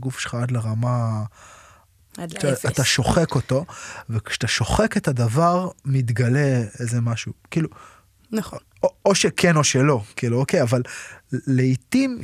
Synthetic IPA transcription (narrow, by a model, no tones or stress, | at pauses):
ɡufʃelχaad̪leʁama | at̪aʃo̞χeko̞to̞vekʃt̪aʃo̞χe̞ke̞tadavaʁmit̪ɡale̞ezemaʃukiːlu | n | ooʃekʰeno̞ʃelo̞kiːluoke̞javalleit̪im